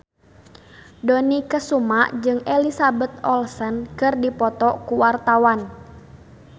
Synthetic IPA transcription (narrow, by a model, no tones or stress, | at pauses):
dɔnikəsumaʔd͡ʒɨŋɛlisabɛt̪ɔlsənkərdipɔt̪ɔkuwart̪awan